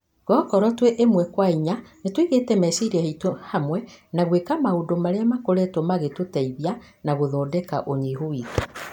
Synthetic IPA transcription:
ɡɔːkɔɾɔtweʔemwɛkwaiɲanetwiɣetɛmɛsiɾaheitohamwɛnaɣwekamahodomaɾeamakoɾɛtomaɣetotɛiβja | naɣoðɔːdɛkaʔoɲiɦoiːke

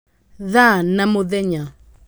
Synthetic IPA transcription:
ðanamoðɛɲa

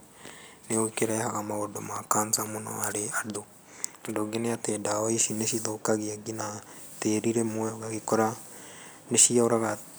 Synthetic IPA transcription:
neoikeɾaehaɣamaodomakaːnzamonɔ̰aɾeado | adoɡeneatedawaiʃineʃiðoːkaɣiaɡina | teɾiɾemwɛoɣaɣikɔɾa | neʃiaoɾaɣa

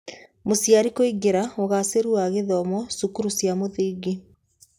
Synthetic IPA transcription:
mosjaɾikoiɡeɾaoɣaseɾuaɣeðɔmɔsukuɾusjamoðiːɡe

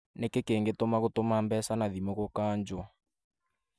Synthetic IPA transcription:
nekekeːŋɡetomaɣotomambɛsanaðimoɣokaːɲd͡ʒɔ

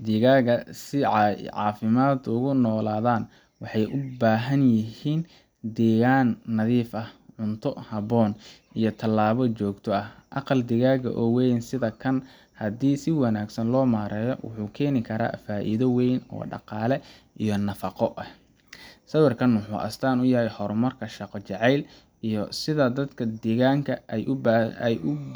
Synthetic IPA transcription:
d̪ɪɣaːɣɐsɪʕʕɑ̰ːfɪmaːd̪ʊɣʊnɔːlaːðaːn | wɑħɑjʔʊbaːɦɐnjɪhiːn | d̪ɛːɣaːnːɐðiːfɐhʕʊnt̪ʰɔhɐβɔːn | ijɞt̪ʰɐlːaːβɔt͡ʃɔːɡt̪ʰɔɐhʔɑqɑld̪ɪɣaːɣɐ̰ʔɔːwɛjnsɪðɐkʰɐn | hɐd̪iːsɪwɑnaːɡsɐnlɔːmaːɾɛːjɔwʊ̰ħuːkʰɛːnɪkʰɐɾa̰ːfaːʔḭðɐwɛjnɔ̰ːɖɑ̰qɑːlɛ | ʔijɔnɐfɑqɔʔɐh | sɐwɪrkʰɐnwʊħuːʔɐ̰st̪ʰaːnʊjɐɦɛjħɔɾmɐrkʰɐʃɑqɔt͡ʃɛʕɛjl | ʔijɔsɪðɐd̪ɐd̪kʰɐd̪iːɣaːŋkʰɐʔɛjʊjʊ

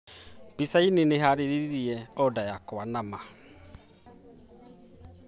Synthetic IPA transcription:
bisaineneɦaɾeɾiɾiɾiɛɔdajakoanama

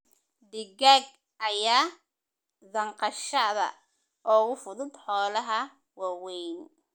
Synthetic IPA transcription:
d̪ɪɡaɡ̚ | ʔɐjaː | ðɐɴqɑʃɐðɐ̰ | ʔɔːɣʊfʊðʊd̪ħɔːlɐɦɐ | wɑːwɛjn

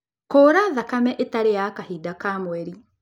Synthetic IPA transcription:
koːɾaðakamɛʔetaɾejakahidakaːmwɛɾi

